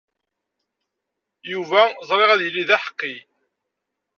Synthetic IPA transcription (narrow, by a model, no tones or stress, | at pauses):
juvæzˤɾˤeʁæðjəlːiðaħə̥qːi